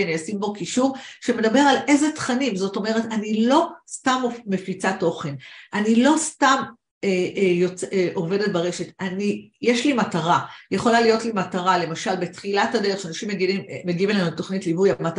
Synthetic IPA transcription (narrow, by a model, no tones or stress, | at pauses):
niasimbo̞kiʃuʁʃeme̞dabe̞ʁale̞zetχanimzo̞to̞me̞ʁe̞tanilo̞stamome̞fit͡sato̞χe̞nʔanilo̞stam | ejot͡seʔo̞ve̞det̚baʁe̞ʃe̞tanijeʃlimataʁaje̞χo̞lalijo̞tlimataʁale̞maʃalbe̞tχilatadeʁeχʃeanaʃimːeɡimːeɡiivelanutːo̞χnitlivujamat